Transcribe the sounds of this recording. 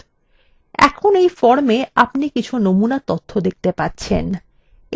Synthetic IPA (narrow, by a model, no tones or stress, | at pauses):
ɛ̰kʰonejfɔɾmeapnikit͡ɕʰunomunat̪ot̪ʰːod̪ek̚t̪epatːɕʰḛn